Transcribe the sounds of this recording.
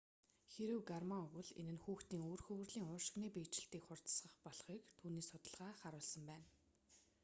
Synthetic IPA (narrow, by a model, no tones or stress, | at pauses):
xeɾɘ̆wɡarmaɵɣɘ̆ɮḛnɘ̆nxuːxt̪iːŋoːrxɵwɘ̆rɮiːŋʊːʃɪ̆ɣniːpiːt͡ɕɪ̆ɬt̪iːkχʊr̥t̪sʁə̆χpɔɮχiːkt̪ʰuːniːsʊt̪ə̆ɮʁaːχaɾʊːɮsə̆mpæːn